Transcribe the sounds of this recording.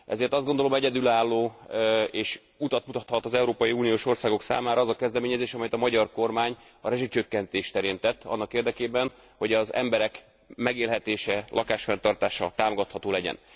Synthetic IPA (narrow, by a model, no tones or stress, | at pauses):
ʔɛ̰zeːrt̪ɒzdɡo̞nd̪o̞lo̞mɛɟɛd̪ylaːlːoː | eːʃ | ut̪ɒt̪mut̪ɒt̪hɒt̪ɒzɛuɾoːpɒjiuːnijoːʃo̞rsaːɡo̞ksa̰ːmaːɾɒːzɒkɛzd̪ɛmeːɲɛzeːʃɒmɛjɛt̪ɒmɒɟɒrko̞rmaːɲ | ɒɾɛʒit͡ʃøkːɛnt̪eːʃt̪ɛɾeːnt̪ɛt̪ːɒ̰nːɒkeːrd̪ɛkeːbɛn | ho̞ɟɒzɛ̰mbɛɾɛk | mɛɡeːlɦɛt̪eːʃɛlʔɒkaːʃfɛnt̪ɒrt̪aːʃɒt̪aːmoɡɒt̪hɒt̪oːlɛɟɛ̰n